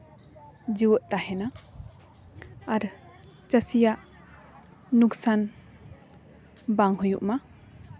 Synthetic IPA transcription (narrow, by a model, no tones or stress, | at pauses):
d͡ʒiwəʔt̪ahɛna | ɾ | t͡ʃəsijaʔ | uksan | baŋɦujuʔma